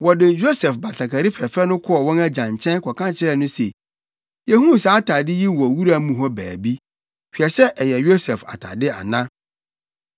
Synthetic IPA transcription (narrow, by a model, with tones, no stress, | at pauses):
wɔ˨dɪ˨jo˦sɛ˨fba˨ɬʰa˨kʰa˨ɾi˦fɛ˨fɛ˦nʊ̃˦kʰʊ˦ɔ˨wɔ̃˦næ˦d͡ʑã˨ɲ˨t͡ɕʰɛ̃˦nkʰɔ˨kʰã˦t͡ɕʰɪ˦ɾɛ˦˨nʊ̃˦se˨ | jɛ˨hũ˦n˨saː˨˦tʰa˨dɪ˦ji˦wɔ˨wu˦ɾa˦mũ˨ɦɔ˦bæː˨bi˦ | fᶣi˨ɛ˨sɛ˦ʔɛ˨jɛ˨jo˦sɛ˨fa̰˨tʰa̰˨dɪ˦a̰˨nã˦